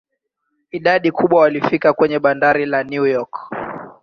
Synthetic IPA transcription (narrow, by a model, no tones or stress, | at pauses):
iɗaɗikuɓwawalifikakwɛɲɛɓandaɾilanjujɔk